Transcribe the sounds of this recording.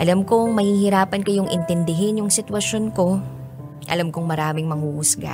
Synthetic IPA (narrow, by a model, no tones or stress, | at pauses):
ʔɐlamkoŋmɐhiːhɪɾaːpɐnkɐjoŋʔɪ̰nt̪ɛnd̪ɪɦɪnjʊŋsɪt̪wɐʃo̞nko̞ | ʔɐ̰lamkoŋmɐɾaːmɪŋmɐŋuːʔʊsɡa̰